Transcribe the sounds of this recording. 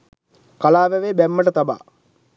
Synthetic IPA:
kalaːʋɛʋeːbæmːəʈət̪aba̰ː

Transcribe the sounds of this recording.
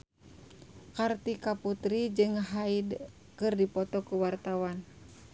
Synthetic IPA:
kart̪ikaput̪ɾid͡ʒɨŋɦaid | kɨrdipɔt̪ɔkuwart̪awan

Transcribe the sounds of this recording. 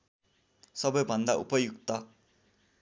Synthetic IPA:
sʌbʌjbʱʌnd̪aṵpʌjukt̪ʌ

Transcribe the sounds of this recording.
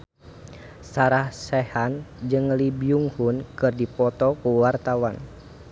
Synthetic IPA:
saɾahsɛhand͡ʒɨŋlibiuŋhunkɨrdipɔt̪ɔkuwart̪awan

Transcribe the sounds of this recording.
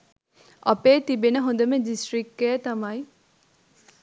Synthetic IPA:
ʔɐpeːt̪ibenɐɦund̪ɐmed̪isʈɾikːeːt̪ɐmai

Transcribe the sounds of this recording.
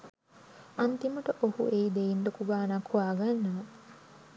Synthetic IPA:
ɐnt̪imɐʈɐʔohṵeid̪ejind̪okuɡaːnɐkʰuʋaːɡɐnːɐ

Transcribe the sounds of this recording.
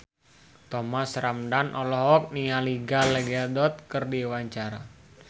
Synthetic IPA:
t̪ɔmasramdanʔɔlɔɦɔk̚nialiɡalɛɡɛdɔt̪̚kərdiwaɲt͡ʃaɾa̰

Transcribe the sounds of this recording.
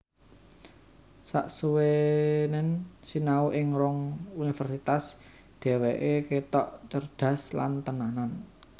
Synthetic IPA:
saʔsuwenɪnsinauʔɪŋɾɔŋunifərsit̪as | d̪̥e̤weʔeket̪ɔʔt͡ʃərd̪̥ä̤sla̰nt̪ənanan

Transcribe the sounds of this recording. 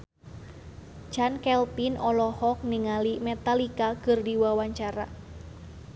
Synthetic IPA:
d͡ʒankɛlpinʔɔlɔhɔk̚niŋalimet̪alikakɨrdiwawaɲt͡ʃaɾa̰

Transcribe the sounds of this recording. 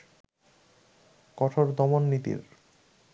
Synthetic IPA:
kɔʈʰoɾd̪ɔmonːit̪ḭɾ

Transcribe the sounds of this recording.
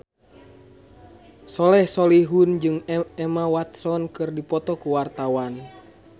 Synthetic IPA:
sɔlɛhsɔliɦund͡ʒɨŋɛmawat̪sɔnkɨrdipɔt̪ɔkuwart̪awan

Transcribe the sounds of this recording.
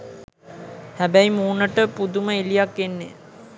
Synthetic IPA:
hæbæjimuːnəʈəpud̪uməilijakːenːe

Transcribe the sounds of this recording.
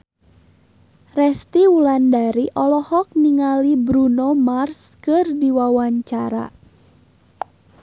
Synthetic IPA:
rɛst̪iulandaɾiʔɔlɔhɔk̚niŋalibɾunomarskɨrdiwawaɲt͡ʃaɾa̰

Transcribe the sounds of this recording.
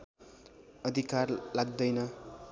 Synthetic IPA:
ʌd̪ʱikarlaɡ̚d̪ʌjnʌ

